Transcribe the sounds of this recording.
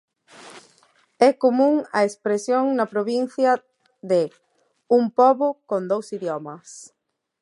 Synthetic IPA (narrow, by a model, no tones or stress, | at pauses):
ɛkomũŋɐespɾesjoŋnɐpɾoβin̟θjɐ | ðɪ | umpɔβʊkond̪owsiðjɔmɐs